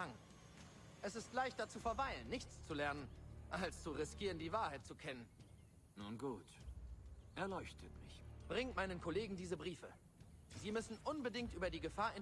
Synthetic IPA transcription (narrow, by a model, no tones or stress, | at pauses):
aŋ | ʔɛsɪstlaɪçtd̥ɐt͡suːfɛɐvaɪlənːɪçt͡st͡sulɛɐnənʔalst͡suʁɪskiːʁəndiːvaːɐhaɪt̚t͡sukʰɛnən | nuːnɡuːt | ʔɛɐlɔʏçtʰətmɪ̰çb̥ʁɪŋtmaɪnənkʰoleːɡŋ̩diːzəbʁiːfə | ziːmʏsn̩ʔʊnbədɪŋktʔyːbɐdiːɡəfaːɐɪn